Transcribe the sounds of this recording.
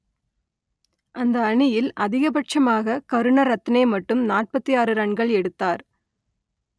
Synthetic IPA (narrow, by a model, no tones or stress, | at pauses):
ʔɐnd̪ɐːɳɪjɪlʔɐðɪɣɐbɐʈ̚t͡ʃɐmaːɣɐkɐɾɯɳɐɾɐt̪ːɪnɐɪmɐʈːɯmnaːʈ̚pɐt̪ːijaːɾɯɾɐɳɡɐɭɛɽɯt̪ːaːɾ